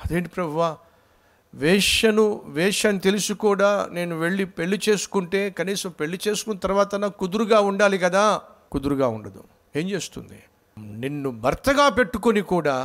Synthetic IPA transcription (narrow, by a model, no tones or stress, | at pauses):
ɐd̪eːɳʈipɾɐbʱuʋaː | ʋɛːʂɐnuʋɛːʂaːnit̪e̞lusukuːɽaːne̞ːnuʋe̞ɭːipe̞ɭːit͡ʃe̞ːsu̥kuɳʈe̞ːkɐniːsɐmpe̞ɭːit͡ʃe̞ːsu̥kunːɐt̪ɐɾʋaːt̪ɐnɐkud̪uɾuɡaːuɳɖaːlikɐd̪aː | kud̪uɾuɡaːuɳɖɐd̪ṵ | e̞ːɲt͡ʃe̞ːst̪ṵnd̪ḭ | ninːubʱɐɾt̪ɐɡaːpe̞ʈːuko̞nikuːɽaː